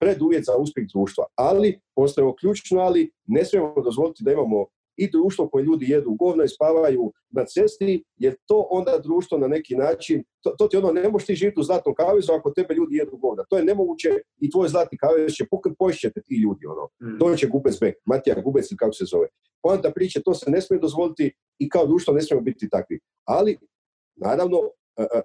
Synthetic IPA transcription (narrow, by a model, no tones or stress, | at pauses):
pɾe̞d̪uʋjet̪zauspʲjeɣd̪ɾuːʃt̪ʋa̰alipo̞st̪ajeokʎut͡ʃnoaline̞smiemod̪o̞zʋo̞lit̪id̪aimaːmo̞ | id̪ɾuːʃt̪vʋo̞ko̞jeʎuːd̪ijed̪uɡo̞ːʋnaispaːʋaju | nat̪se̞st̪ijeɾt̪o̞ːʔo̞nd̪ad̪ɾuːʃt̪ʋo̞nane̞kinaːt͡ʃint̪ot̪ot̪io̞no̞ne̞moʃt̪iːʒiːʋjit̪uzlaːt̪nomkaːʋezuakot̪e̞beʎuːd̪ije̞d̪uɡo̞ːʋnat̪oːjene̞mo̞ɡuːt͡ɕe | it̪ʋo̞ːjzlˠaːt̪nikaːʋest͡ʃepokepo̞iʃt͡ʃet̪et̪iːʎuːd̪io̞̰no̰t̪o̞ːt͡ɕeɡubet̪zbek̚mat̪ija̰ɡubet̪silikakosezo̞ʋe | poent̪apɾiːt͡ʃet̪o̞ːsene̞smijed̪ozʋo̞lit̪iː | kaod̪ɾuːʃt̪ʋo̞ne̞s̬mijemubit̪it̪akʋḭ | ali | na̰ːɾaʋno̞ | əə